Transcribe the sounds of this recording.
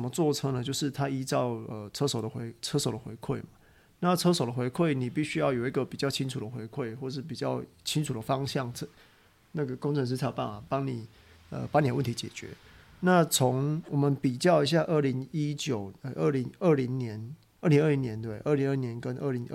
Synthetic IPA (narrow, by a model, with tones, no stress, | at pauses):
ə˨mə˦t͡swɔ˥˨ʈ͡ʂʰə˦ŋnə˨t͡ɕjo˥˧ʊʂɻ̩˥˩t̪ʰa˦i˦˥t͡sɑ˥˩ʊə˨t͡sʰɤ˥so˨˩ʊd̪ə˦xwe˧˦ɪt͡sʰə˥so˨˩d̪ə˩xwḛ˧˦ɪkʰwe˥˩ɪma˨˩ | na˥˨t͡sʰɤ˥so˨˩ʊd̪ə˩xwe˧˥ɪkʰwe˥˩ɪni˨˩pi˥˩ɕy˥jɑ˥˩ʊjo˨˩ʊi˧˥ɡə˨pi˨˩t͡ɕjɑ˥˩ʊt͡ɕʰi˦ŋt͡sʰu˨˩d̪ə˩xwe˧˦ɪkʰwe˥˧ɪxwɔ˥˩ʂɻ̩˥˩pi˨˩t͡ɕjɑ˥˩ʊt͡ɕʰi˦˥nt͡sʰu˨˩d̪ə˩fɑ˦ŋɕjɑ˥˩ŋʰ˥ | na˥˩ɡə˩ko˥ŋt͡sʰɤ˧˦ŋʂ̬̩˥t͡s̪ʰa˥˩pa̰˥˩ŋa˨˩pɑ˥ŋni˨˩ | ə̰˨pa˥ŋni˨˩ə˦wə˥˩t̪ʰi˧˦˥t͡ɕjɛ̰˨˩t͡ɕɥɛ̰˧˦ | na˥˨t͡sʰo˧˦ŋwɔ˨˩mə˨˦npi˨˩t͡ɕjɑ˥˩ʊi˧˦ɕ̬ja˥˧ʔə˥˩li˧˥ŋi˦t͡ɕjo˨˩ʊə˨˩ʔə˥˩li˧˥ŋə˥˩li˧˥ŋnjɛ˧˦n | ə˥˩li˧˦ŋə˥˩li˧˥njɛ˧˦nt̪we˥˩ɪʔə˥˩li˧˦ŋə˥˩njɛ˧˦nkə˦nʔə˥˩li˧˦ŋ˥